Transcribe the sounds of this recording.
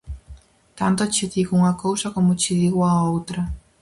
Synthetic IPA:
t̪ant̪ʊat͡ʃiðiɣuŋɐkowsɐkomʊt͡ʃiðiɣoaowt̪ɾɐ

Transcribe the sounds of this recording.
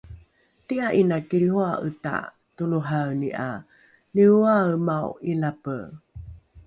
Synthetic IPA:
tiaʔinakiɾihuaʔə̰ta̰ | tuluɦawniʔa̰ | liuamawilapə

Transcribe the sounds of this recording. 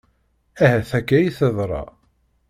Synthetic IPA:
æhæθækːæjiθəðˤɾˤɑ̰

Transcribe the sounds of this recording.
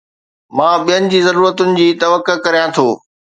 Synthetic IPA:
mãːɓijənɪ̆d͡ʑiːzɐɾuːɾət̪ʊnɪ̆d͡ʑiːt̪ɐʋəkːəkɐɾijãt̪ʰoː

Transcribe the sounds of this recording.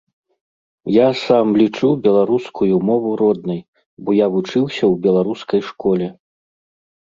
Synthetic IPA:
jasamlʲit͡ʂubʲɛlˠaɾuskʰujumɔvuɾɔd̪nɐj | bɔjavut͡ʂɨwsʲɐwbʲɛlˠaɾuskɐjʂkɔlʲɛ

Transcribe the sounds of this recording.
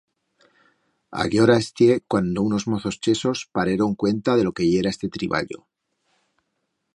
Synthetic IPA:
a̰ɣjo̞ɾaest̪je̞kwand̪ouno̞zmo̞θo̞st͡ʃe̞so̞spaɾeɾo̞ŋkwe̞nt̪aðe̞lo̞ke̞ʝe̞ɾae̞st̪e̞t̪ɾiβa̰ʎo̞̰

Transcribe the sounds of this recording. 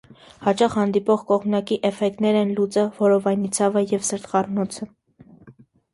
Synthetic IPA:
hɑt͡ʃɑχhɑnd̪ipɔʁkɔʁmnɑkiʔɛfɛk̚t̪nɛɾɛnlut͡səvɔɾɔvɑjnit͡sʰɑvəjɛvsəɾt̪χɑrnɔt͡sʰə

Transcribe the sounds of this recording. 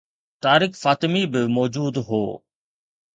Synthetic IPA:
t̪aːɾɪkfaːt̪ɪmibɪmɔːd͡ʒuːd̪ɦo̰ː

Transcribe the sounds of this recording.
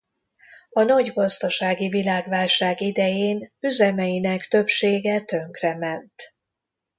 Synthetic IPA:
ɒnɒɟɡɒzd̪ɒʃaːɡivilaːɡʋaːlʃaːɡid̪ɛjeːnyzɛmɛjinɛkt̪ø̞pʃeːɡɛt̪ø̞ŋkrɛmɛnt̪

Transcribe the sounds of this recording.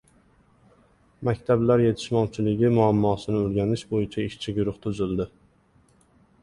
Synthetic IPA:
makʲt̪ʰablaɾje̞t̪ʰɪ̥ʃmɒwt͡ʃʰɪlɪɡʲɪmʊamːɒːsɪnɪʊɾɡʲanɪʃbojɪt͡ʃʰaɪʃt͡ʃʰɪɡʲʊɾʊχt̪ʰʊzɪlˠd̪ɪ

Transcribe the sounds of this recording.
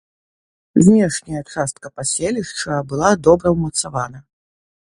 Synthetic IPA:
zʲnʲɛʂnʲɐjɐkʂast̪kɐpasʲelʲiʂt͡ʂɐbɨlˠad̪ɔbɾɐwmɐt̪savanɐ

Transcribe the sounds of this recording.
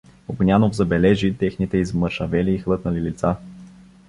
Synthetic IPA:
oɡnʲjanovzɐbɛlɛʒit̪ɛxnit̪ɛizməɾʃɐvɛliːxlˠɤt̪nɐlilit̪sa

